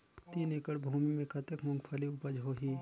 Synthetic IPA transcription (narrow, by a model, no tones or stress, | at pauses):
t̪iːnekəɽbʱuːmimẽkʰɐt̪ekmʊ̃ŋɡpʰəliʊpəd͡ʒɦoɦiː